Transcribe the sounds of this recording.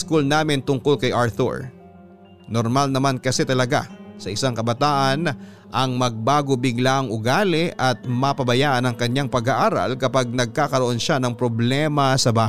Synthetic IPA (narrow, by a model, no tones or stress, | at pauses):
skulnaːmɪnt̪ʊŋkolkɐjʔaɹθṵɹ | noɾmalnɐmankɐsɛt̪ɐlɐɡa̰sɐʔɪsaŋkɐbɐt̪aːʔɐn | ʔɐŋmɐɡ̚baːɡobɪɡlaʔɐŋʔʊɡaːlɛʔɐt̪̚mɐpɐbɐjaːʔɐnɐŋkɐɲːaŋpɐɡaʔaːɾa̰lkɐpaɡ̚nɐɡ̚kaːkɐɾoʔo̞nʃanɐŋpɾoblɛmɐsɐbaː